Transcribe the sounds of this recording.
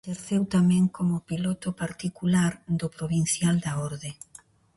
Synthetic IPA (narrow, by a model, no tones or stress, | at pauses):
ʃeɾθewt̪amɛ̃ŋkomʊpilɔt̪ʊpaɾt̪ikulaɾd̪ʊpɾoβin̟θjald̪aɔɾðe